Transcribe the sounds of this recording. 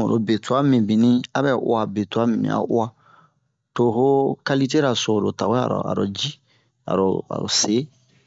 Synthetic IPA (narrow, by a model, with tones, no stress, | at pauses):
o̰˨lo˨be˨tu˦a˦mĩ˨bi˨nĩ˦a˦bɛ˦ʔṵ˦a˨be˨tu˦a˦mĩ˨nḭ̃˨a̰˨ʔu˦a˦ | to˨ɦo˦ka˦li˦t̬e˦ɾa˨so˨lo˨ta˨ɡo˦a̰˨ɾɔ̰˨a̰˨ɾo˨d͡ʒi˦ | a̰˨ɾo˨a̰˨ɾo̰˨se˨˦